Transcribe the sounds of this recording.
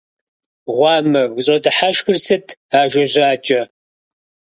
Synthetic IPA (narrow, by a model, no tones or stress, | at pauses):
ʁʷɑːmɐɡʷʊɕʼɔdɨħaʃxʷʊrsɨtʰaːʒʷɐʒaːt͡ʃʼɐ